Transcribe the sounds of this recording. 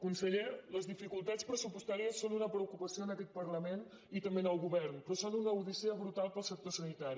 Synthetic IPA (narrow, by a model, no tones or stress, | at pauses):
kunsəʎeləzðifikulˠt̪att͡spɾəsupust̪aɾiəsonunəpɾəukupəsioənəkɛt̪̚pərləmen | it̪əmbenəlˠɣuβɛrnpɾɔsonunəuðisiəβɾut̪alˠpəlˠsək̚t̪osənit̪aɾi